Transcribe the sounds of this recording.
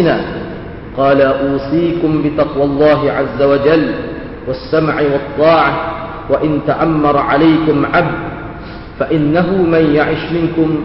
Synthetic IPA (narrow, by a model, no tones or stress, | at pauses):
naː | qɑːlaʔuːsˤiːkʊmbɪt̪ɑqwɑlˤːɑːɦɪʕazːawad͡ʒalː | wasːamʕɪwɑt̪ˤːɑːʕa | waʔɪnt̪aʔamːɑɾˤʕalajkʊmʕabd̪ | faʔɪnːaɦʊmanjaʕɪʃmɪnkʊm